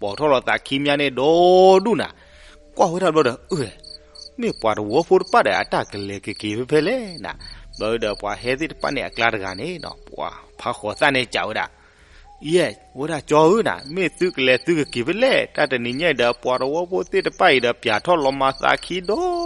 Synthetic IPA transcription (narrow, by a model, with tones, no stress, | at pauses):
pwa˨tʰɔ˦lɔ˧˨θa̰˨kʰi˧˦mja˧˦ne˦˨dɔ˦du˦˨na̰˨ | kwʔa˦˨wo˦da˨lɔ˧˦dɔ˨ə˦˨ɛ˨me˦˨pwa˨ɾə˨wɔ˨˦pʰo˦tə˨pa˦˨dɛ˨ʔa̰˨da˨ɡə˨lɛ˨ɡə˨ɡe˨bɛ˦bɛ˦lɛ˦na̰˨bɔ˧˦ɨ˧˨də˨pwa˨ɦɛ˧˦t̪̬e˦˨tə̥˨pa̰˦˨ne˨a̰˨kla˧˦ɾə˨ɡa̰˨ne˦˨nɔ̰˨pwa̰˨pʰa˧xɔ˨θa˦˨ne˧˨t͡ʃa̰˨wo˦da̰˨˦ | jɛ˦˨ | wə˦da˨t͡ʃɔ˧ɨ˦˨na̰˨me˦˨θu˦kə˨lɛ˨θu˦ɡə˨ɡe˨bɛ˦lɛ˦˨da˨də˨ni˨ɲɛ̃˦˨də˧˨pwa˨ɾə˨wɔ˦pʰo˦t̪e˦˨tə˨pa˦˨ji˨də˧bja˨tʰɔ˦˨lɔ˧ma˧θa̰˧˨kʰi˦dɔ˦